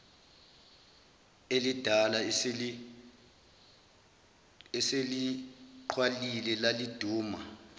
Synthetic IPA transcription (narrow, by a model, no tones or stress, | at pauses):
elid̥ʱalai | ɛseliǃʰwalilɛlalid̥ʱuːma